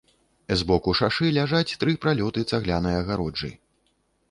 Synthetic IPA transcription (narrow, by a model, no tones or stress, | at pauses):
zbɔkuʂaʂɨlʲaʐat͡sʲt̪ɾɨpɾalʲɔt̪ɨt̪saɣlʲanɨjɐɣaɾɔd͡ʐɨ̰